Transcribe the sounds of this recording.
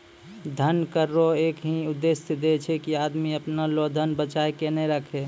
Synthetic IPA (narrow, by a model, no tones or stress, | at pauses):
d̪ʱənkəɾːoekɦĩʊd̪ːesd̪et͡ʃʰɛkiad̪miəpnalod̪ʱənbət͡ʃajkenɛ̃ɾəkʰe